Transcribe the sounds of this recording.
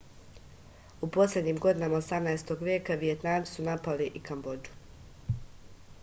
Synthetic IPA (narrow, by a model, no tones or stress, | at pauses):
upo̞slʲe̞d̪ɲiːmɡo̞d̪inamaosamnaest̪o̞ɡʋʲje̞ːkaʋije̞t̪naːmi̥sunapaliʔikambo̞d͡ʒu̥